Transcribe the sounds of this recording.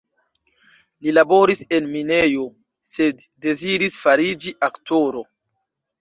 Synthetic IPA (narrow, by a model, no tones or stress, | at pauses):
lilabo̞ɾise̞nminejo | se̞dːe̞ziɾisfaɾid͡ʒiʔaktʰo̞ɾo̞